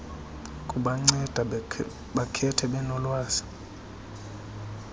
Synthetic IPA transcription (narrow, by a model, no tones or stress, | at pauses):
kʼuɓaŋ͡ǀɛd̥ʱa | ɓakʰɛtʰɛɓɛnɔlwaːzi̥